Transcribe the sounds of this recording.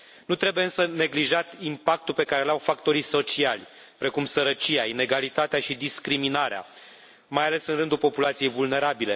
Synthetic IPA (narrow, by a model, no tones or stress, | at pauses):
nut̪ɾe̞buje̞ɨnsəne̞ɡliʒat̪impak̚t̪ulpe̞kaɾelawfakt̪o̞ɾiso̞t͡ʃialʲ | pɾe̞kumsəɾət͡ʃijaine̞ɡalit̪at̪eaʃid̪iskɾiminaɾea̰ | majale̞sɨnrɨnd̪ulpo̞pulat̪sije̞jvulne̞ɾabile̞